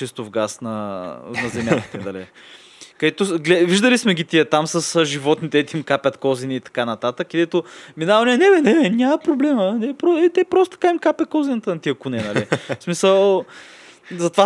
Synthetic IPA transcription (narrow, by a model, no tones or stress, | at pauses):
ist̪ʊvɡasnɐnɐzɛmʲjak̪ə̥t̪ɛd̪ɐlḭ | kɐd̪ɛt̪oɡlɛviʒd̪əlismɛɡʲit̪iət̪amsəsʒivɔt̪nit̪ɛɛt̪imkapʲɐt̪kɔziniːt̪ɐ̥kanɐt̪at̪əkːəd̪ɛt̪ominavɐninɛbɛnɛɛnʲamɐpɾoblɛmənɛpɾoɛt̪ɛpɾɔst̪ːkaimkapʲɐt̪̚kɔzinət̪ənɐt̪iəkʊnɛnɐlismisəlˠ | zɐt̪va